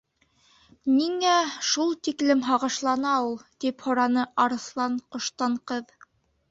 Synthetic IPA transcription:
niŋæʃulˠt̪iklɘmɦɑʁɤ̆ʃlˠɑnɑulˠt̪iphŏɾɑnɤɑɾɤ̆slˠɑɴqŏʃt̪ɑɴqɤð

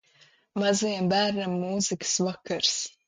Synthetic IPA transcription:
mazijambæːɾnamːuːzikə̥svakaɾs

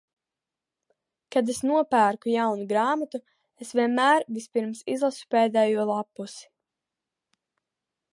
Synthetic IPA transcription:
kad̪esnuɔpæːɾkujawnuɡɾaːmat̪u | esvʲiɛnmæːɾvispiɾmsizlˠasu̥pɛːd̪ɛːjuɔlˠapːusi̥

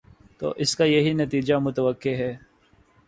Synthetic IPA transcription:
t̪o̰ːʔɪskajɐɦinɐt̪iːd͡ʒamʊt̪əʋəkːeɦɛː

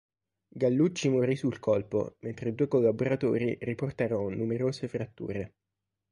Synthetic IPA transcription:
ɡalːut͡ʃːimoɾisulkʰɔlpo̰ment̪ɾed̪uːekolːaboɾat̪o̰ːɾiriport̪aːɾononumeɾoːsefɾat̪ːṵːɾe

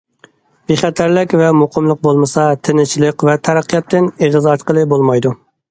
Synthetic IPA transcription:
biχæt̪ʰæɾlɪkʲvɛmoqʰəmlˠəq̚bolˠmɨsɑt̪ʰɪnɪt͡ʃʰilˠəqvɛt̪ʰæɾæqʰːijɑt̪ʰːɪneʁɨzɑɾt̪qəlˠɨbolˠmɑjd̪u

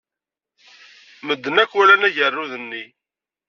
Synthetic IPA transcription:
məd̪ːənækːwælænæʝərːuðənːi

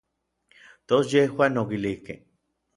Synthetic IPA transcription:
t̪osjehwanokilihkḛh

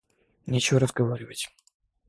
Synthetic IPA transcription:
nʲet͡ɕɪvoɾəzɡɐvaɾʲɪvətʲ

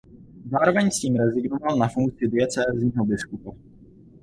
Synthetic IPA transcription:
zaːɾɔvɛɲsciːmɾɛziɡnɔvalnafuŋk̪t͡sɪid̪iat͡sɛzɲiːɦɔbiskupa

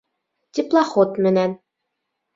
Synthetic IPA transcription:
t̪ʲiplˠɑχot̪mɘ̆næn

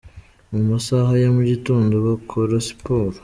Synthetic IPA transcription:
mumasahajomuɟituːndoβakʰoɾosi̥poːɾu̥

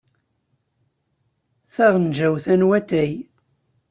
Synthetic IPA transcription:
θæʁnʒæwθænwæt̪æj

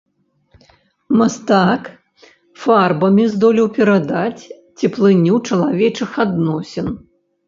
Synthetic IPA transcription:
mast̪ak | farbɐmʲizd̪ɔlʲiwpʲɛɾad̪at͡sʲ | t͡sʲiplˠɨnʲuwt͡ʂɐlˠavʲɛt͡ʂɨxad̪nɔsʲɛn

